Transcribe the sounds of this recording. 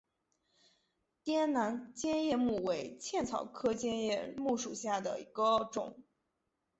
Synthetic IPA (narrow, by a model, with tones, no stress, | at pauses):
t̪jɛ˥nna˧˥nt͡ɕjɛ˥njɛ˥˧mu˥˩we˧˥ɪt͡ɕʰjɛ˥˩nt͡sʰɑ˨˩ʊkʰɤ˥t͡ɕjɛ˥njɛ˥˧mu˥˩ʂu˨˩ɕja˥˩d̪ə̰˩i˧˥ɡə˧ʈ͡ʂʊ̰˨˩˦ŋ